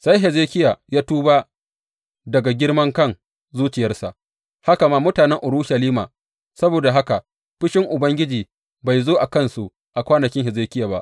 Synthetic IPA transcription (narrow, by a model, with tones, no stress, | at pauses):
sa˦jɦɛ˨zeː˦kʲɪ˦ja˨jaː˦tuː˦baː˦ | dɐ˨ɡa˨ɡʲɪ˦rmɐ˦ŋkɐ˦ŋ | zuː˦t͡ʃɪ˨jɐ˦rsa̰˨ʔ | ha˦ka˨maː˦mʊ˦taː˨nɛ˦ŋʔʊ˨ɾuː˦ʃɐ˨liː˦maː˨ | sɐ˦boː˨da˨ɦa˦ka˨ | ɸɪ˦ʃɪ˦ŋʔʊ˨bɐ˦ŋɡʲɪ˦d͡ʒiː˨ | ba˨jzoː˦ʔa˨kɐ˦nsu˨ʔ | ʔa˨kʷaː˦nɐ˨kʲɪ˦ŋɦɛ˨zeː˦kʲɪ˦jaː˨ba̰˦ʔ